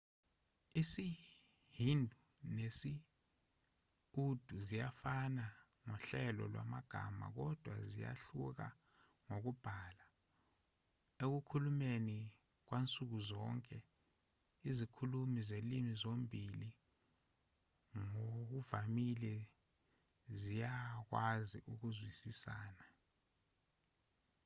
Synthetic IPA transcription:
isi | hindʱu | nesi | ud̥ʱuzijafana | ŋɔɬɛlɔ̰lwa̰maɡ̥ʱa̰ma̰k̬ɔd̥ʱwa̰zija̰ɬuk̬a̰ | ŋok̬ub̥ʱala | ek̬ukʰulumeni | k̬went͡sʼuk̬uzɔŋkʼɛ | izikʰulumizelimizombʱili | ŋok̬uvamilɛ | zijak̬waziʔuk̬uzwisisaːna

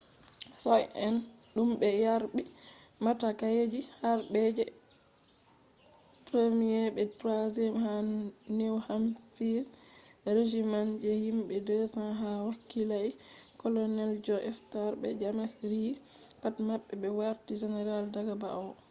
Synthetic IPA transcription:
sɔjɛnɗumɓɛjaɾbi | matakajed͡ʒihaɾbɛd͡ʒɛ | pɾemijɛbɛdɾazɛmhanewhamfiɾ | ɾed͡ʒimand͡ʒɛhimɓɛdɛsaɦawakːilaj | kɔlɔnɛld͡ʒɔʔɛstaɾbɛ̰d͡ʒamɛsɾi | patmaɓːɛɓɛwaɾtid͡ʒɛnɛɾaldaɡabaɔ

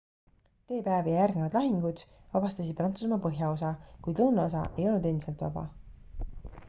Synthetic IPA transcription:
t̪e̞ːpæːvijɑjærɡnevɑd̪̥lɑɦiŋɡ̥ud̪̥vɑbɑst̪ɑsid̪̚prɑnt̪sus̬mɑpɤɦjɑo̞sɑkujd̪lɤwnɑo̞s̬ɑ̰ʔe̞jo̞lnud̪e̞nd̪i̥selt̪vɑ̰bɑ̰

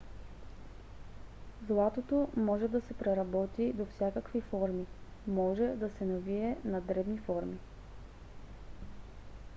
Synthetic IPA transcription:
zlˠat̪ot̪omɔʒɛd̪ɐsɛpɾɛɾɐbɔt̪id̪ofsʲjakəkvifɔɾmimɔʒɛd̪ɐsɛnɐviɛnɐd̪ɾɛbnifɔɾmi

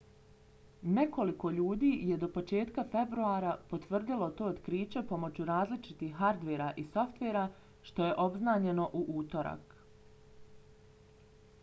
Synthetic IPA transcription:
ne̞ko̞liko̞ʎuːd̪iːje̞d̪o̞po̞t͡ʃe̞ːt̪kafe̞bɾuaːɾapo̞t̪ʋr̩d̪ilo̞t̪o̞ːod̪kɾiːt͡ɕe̞po̞mo̞t͡ɕuɾaːzlit͡ʃit̪ixːaɾd̪ʋeːɾaʔiso̞ft̪ʋeːɾa | ʃt̪o̞je̞ʔo̞bznaːɲe̞no̞ʔuʔuːt̪o̞ɾa̰k

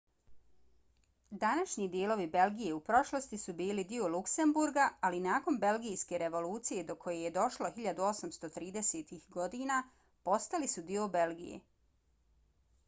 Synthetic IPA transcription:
d̪anaʃɲid̪ijeːlo̞ʋibe̞lɡije̞upɾo̞ʃlˠo̞st̪isubiːlid̪io̞lukse̞mbuɾɡaːlinaːko̞nbe̞lɡijske̞ɾe̞ʋo̞luːt̪sije̞d̪o̞kʰo̞jeje̞d̪o̞ʃlo̞xiʎad̪uo̞samst̪o̞t̪ɾiːd̪e̞seːt̪ixɡo̞d̪iːna | po̞st̪alisud̪io̞be̞lɡḭjḛ

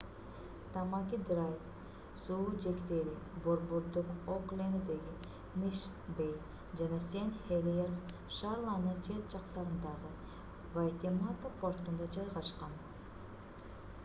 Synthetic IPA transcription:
t̪ɑmɑkʲid̪rajf | suud͡ʒe̞kt̪e̞ɾi | bo̞ɾboɾd̪uqoklʲenid̪e̞ɡi | miʃ | bej | d͡ʒɑnɑse̞nhelʲjeɾs | ʃɑɾlˠɑnɯnt͡ʃʰe̞t̪̚d͡ʒɑqt̪ɑɾɯnd̪ɑʁɯ | vajt̪ʲemat̪apʰo̞rt̪und̪ɑd͡ʒɑjʁɑʃqɑn

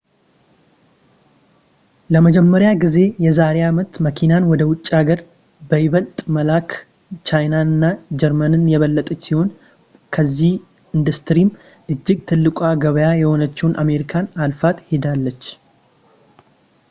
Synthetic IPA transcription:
ləməd͡ʒɛmːəɾjaɡize̞jɛzaɾeamət̪məkʰinanwɔd̪əwʊt͡ʃʼːaɡəɾ | bəjɪβəlt̪ʼməlakʰ | t͡ʃʰajnanɨnːad͡ʒɛɾmənɨnjɛβəlːət̪ʼət͡ʃːsiho̞n | kʰəzːih | ind̪ust̪ɾim | ʔɨd͡ʒːɪɡt̪ʰɨlːɨkʼwaɡəβəjajɛho̞nət͡ʃːɛwunʔame̞ɾikʰanalfat̪he̞d̪alːət͡ʃː

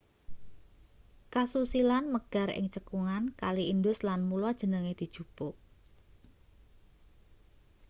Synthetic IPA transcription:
kasusilanməɡ̥a̤ɾɪ̰ŋt͡ʃəkuŋankaliind̪ʊslanmulad̥ʒ̥ə̤nəŋed̪̥i̤d̥ʒ̥ṳpʊʔ

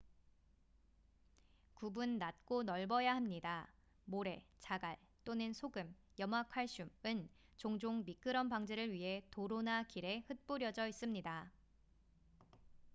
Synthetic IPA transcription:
kubunːat̚k͈onʌɭbʌjahamɲida | moɾe̞t͡ɕaɡaɭ | t͈onɯnsʰoɡɯm | jʌmɦakʰwaɭɕ͈umɯnt͡ɕoŋd͡ʑoŋmik͈ɯɾʌmpaŋd͡ʑeɾɯɭɥiɦe̞toɾonakiɾe̞hɯt̚p͈uɾjʌd͡ʑʌis͈ɯmɲida

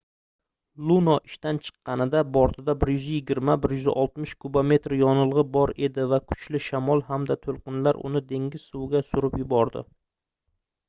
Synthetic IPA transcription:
lˠunɒʔɪʃt̪ant͡ʃʰɨ̥qːɑnɪd̪abɒɾt̪ʰɪd̪abɪɾjʏzjɪɡʲɪɾmabɪɾjʏzʔɒlˠt̪mɪʃkʰubame̞t̪ɾjɒnɨlˠʁɨbɒɾe̞d̪ɪvakʰʊ̥t͡ʃlɪʃamɒlˠhamd̪at̪ʰolˠqɨnlaɾʔʊ̰nɪd̪e̞ŋʲɪz̥sʊwɡʲasʊɾɪpjʊbɒɾd̪ɪ̰

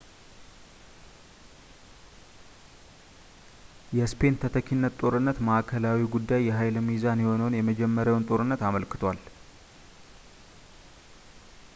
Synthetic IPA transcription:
jɛspʰe̞nt̪ʰət̪ʰəkʰinːət̪t̪ʼo̞ɾɨnːət̪məʔakʰəlawiɡud̪ːajːɛɦajlmizanjɛho̞nəwnjɛməd͡ʒɛmːəɾjawnt̪ʼo̞ɾɨnːət̪aməlkɨ̥t̪ʰwal

